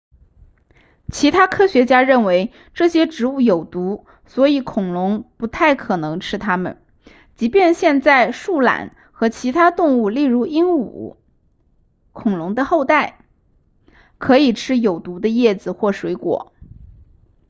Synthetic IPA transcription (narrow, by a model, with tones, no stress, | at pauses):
t͡ɕʰi˧˥t̪ʰa˥kʰɤ˥ɕɥɛ˧˥t͡ɕja˥ɻə˥˩nwe˧˥ɪ | ʈ͡ʂɤ˥˩ɕjɛ˥ʈ͡ʂɻ̩˧˥u˥˩jo˨˩ʊt̪u˧˥ | swɔ˧˥i˧˥kʰʊ˨˩ŋlʊ˧˥ŋpu˧˥t̪ʰa˥˩ɪkʰɤ˨˩nɤ˧˥ŋʈ͡ʂʰɻ̩˥t̪ʰa˥mə̰˨n | t͡ɕi˧˥pjɛ˥˧nɕjɛ˥˧nt͡sa˥˧ɪʂu˥˩la̰˨˩˦n | xɤ˧˥t͡ɕʰi˧˥t̪ʰa˥t̪ʊ˥˧ŋu˥˧li˥˩ɻu˧˥i˥nṵ˨˩˦ | kʰʊ˨˩ŋlʊ˧˥ŋd̪ə˧xo˥˧ʊt̪a˥˩ɪ | kʰɤ˧˥i˨˩ʈ͡ʂʰɻ̩˥jo˨˩ʊt̪u˧˥d̪ə˧jɛ˥˩d͡zɹ̩˩xwɔ˥˩ʂwe˧˥ɪkwɔ̰˨˩˦